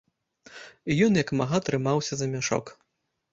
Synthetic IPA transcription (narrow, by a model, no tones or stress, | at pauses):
ijɔnjɐkmaɣat̪ɾɨmawsʲɐzɐmʲaʂɔ̰k